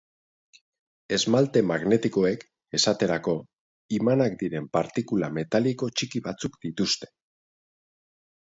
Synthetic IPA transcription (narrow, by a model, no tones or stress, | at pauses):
e̞zmalt̪e̞maɣne̞t̪iko̞e̞k | e̞sat̪e̞ɾako̞ | imanakd̪iɾe̞mpaɾt̪ikulame̞t̪aliko̞t͡ʃikiβat͡sukd̪̥it̪ust̪e̥